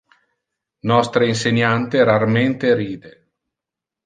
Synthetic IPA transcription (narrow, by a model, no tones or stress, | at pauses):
nɔst̪ɾeinseɲːant̪eɾarment̪eɾiːd̪e